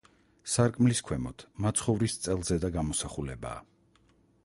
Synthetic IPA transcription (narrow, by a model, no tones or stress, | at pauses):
saɾkʼmliskʰwɛmɔt̪ʰmat̪sʰχɔvɾist̪sʼɛlˠzɛd̪aɡamɔsaχulɛba̰ː